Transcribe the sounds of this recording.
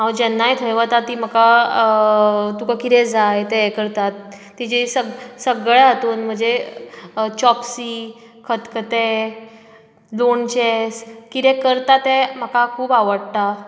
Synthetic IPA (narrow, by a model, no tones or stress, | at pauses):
ɦãwd͡ʑɛnːajt̪ʰəjʋət̪at̪ːiːm̤əka | t̪ukakit̪ɛ̃d͡zajt̪ɛkəɾt̪at̪ː | id͡ʑesəɡsəɡɭat̪uːnm̤əɳd͡ze | t͡ɕɔpsiː | kʰət̪kət̪e | lont͡ɕeskit̪ɛkəɾt̪at̪ɛm̤əkakʰuːbaʋəɽt̪a